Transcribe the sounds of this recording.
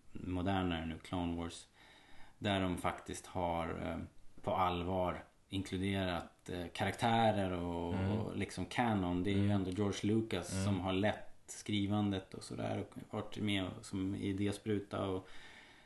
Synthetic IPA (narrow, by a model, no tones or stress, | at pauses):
mʊd̪æːɳanʉ̟ːkʰlaʊnvɔːs | d̪æɖɔmfakt̪ɪst̪haɾpʰɔalvɑːɾ | ɪŋkʰlɵd̪eːɾat̪kʰaɾakt̪ʰæːɾəɾɔlɪksɔmkʰæːnɔnd̪ɛæɾjɵɛnd̪oːjɔːʂlʉːkasːɔmɦaɭɛt̪skɾiːvand̪ət̪ʰɔsɔd̪æ̰ːɾɔvɑʈmesɔmɪ̰d̪espɾʉ̟ːt̪a̰ɔ